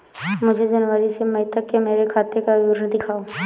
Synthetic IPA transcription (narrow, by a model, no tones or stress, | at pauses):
mʊd͡ʒʱed͡ʒənʋəɾisemɐit̪ɐkːemeːɾekʰaːt̪ekajuːɾnəd̪ɪkʰaːoː